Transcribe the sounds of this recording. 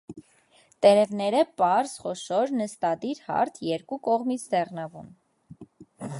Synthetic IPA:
t̪ɛɾɛvnɛɾəpɑɾz̥χɔʃɔɾnəst̪ɑd̪iɾhɑ̰ɾt̪ʰjɛɾkukɔʁmit͡sʰd̪ɛʁnɑvṵn

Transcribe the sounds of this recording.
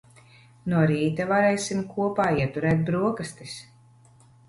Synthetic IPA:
nuɔɾiːt̪avaɾɛjsimkuɔpaːiɛt̪uɾɛːt̪̚bɾuɔkast̪is

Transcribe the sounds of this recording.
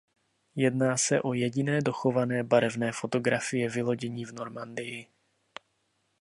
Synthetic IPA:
jɛdnaːsɛʔo̞jɛɟɪnɛːdo̞xo̞vanɛːbaɾɛvnɛːfo̞t̪o̞ɡɾafɪjɛvɪlo̞ɟɛɲiːvno̞ɾmandɪjɪ

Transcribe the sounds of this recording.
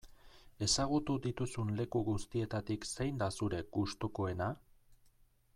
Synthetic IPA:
e̞saɣut̪uðit̪usunle̞kuɣust̪ie̞t̪at̪iksejnd̪asuɾe̞kɡust̪oko̞e̞na

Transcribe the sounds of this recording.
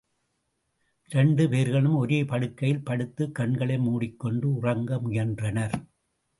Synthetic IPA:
ɪɾɛɳɖɯpeːɾɣɐɭɯmɔɾeːpɐɽɯkːɐjɪlpɐɽɯt̪ːɯkːɐɳɡɐɭɐɪmuːɽɪkːɔɳɖɯʊrɐŋɡɐmʊjɐndrɐnɐɾ

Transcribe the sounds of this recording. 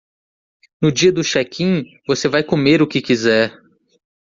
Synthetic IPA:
nʊd͡ʒiɐd̪ʊʃɛkʰĩ | vosevajkomeɾʊkɪkizɛɾ

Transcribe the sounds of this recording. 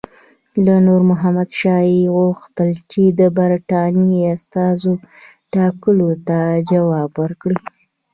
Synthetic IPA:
lanoɾmʊɦamad̪ʃɑeɣuxt̪əlt͡ʃed̪əbaɾʈɑniast̪ɑzo | ʈɑkəlot̪ad͡ʒawɑbwəɾkɽi

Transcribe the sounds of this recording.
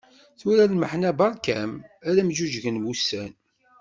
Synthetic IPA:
θuɾælməħnæbɑɾˤkæmæɾæmʒuʒʝənmust̪æn

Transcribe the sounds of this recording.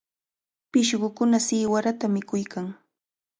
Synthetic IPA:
pɪʃɢʊkʊnasɪːwaɾat̪amɪkʊjkʰaŋ

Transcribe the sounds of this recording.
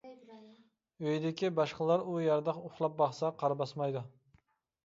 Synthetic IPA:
øjd̪ɪkʲibɑʃqəlˠɑɾujɑɾd̪ɑqoχlˠɑp̚bɑχsɑqʰɑɾbɑsmɑjd̪u

